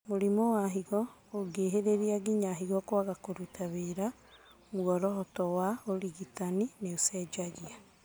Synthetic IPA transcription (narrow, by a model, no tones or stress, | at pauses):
moɾimowaɦiɣɔ | oɡeːɦeɾeɾiaɡiɲaɦiɣɔkwaɣakoɾutaβeɾa | mwɔɾɔɦɔtɔwaoɾiɣitanineosɛd͡ʒaɣia